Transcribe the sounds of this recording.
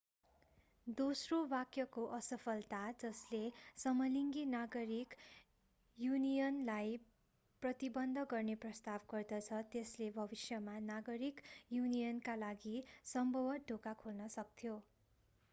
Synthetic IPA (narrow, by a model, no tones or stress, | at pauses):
d̪osrowakjʌkoʔʌsʌpʰʌlt̪ad͡zʌslesʌmʌliŋɡinaɡʌɾik | junijʌnlaj | prʌt̪ibʌnd̪ʱʌɡʌrneprʌst̪abɡʌrd̪ʌt͡sʰʌt̪eslebʱʌbisjʌmanaɡʌɾikjunijʌnkalaɡisʌmbʱʌwʌɖʱokakʰolnʌsʌk̚t̪ʰijo